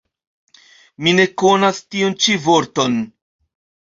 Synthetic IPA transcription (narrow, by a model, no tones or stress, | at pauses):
mine̞ko̞nastiunt͡ʃivo̞ɾto̞n